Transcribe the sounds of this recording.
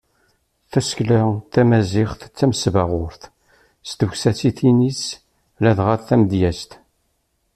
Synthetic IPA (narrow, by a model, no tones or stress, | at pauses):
θæsklaθæmæzɪχθt͡sːæmsvaʁʊɾθ | st̪əçsæt͡sːiθinis | læðʁaθθæməd̪jæst̪